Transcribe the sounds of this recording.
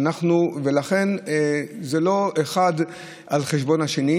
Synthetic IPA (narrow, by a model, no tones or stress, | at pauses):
naχnuvelaχe̞nezelo̞eχad̪ | alχeʃbo̞nhaʃeni